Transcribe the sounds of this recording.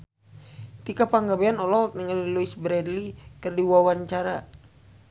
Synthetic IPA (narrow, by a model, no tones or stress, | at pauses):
t̪ikapaŋɡabeanɔlɔk̚niŋaliluisbɾɛdlikɨrdiwawaɲt͡ʃaɾa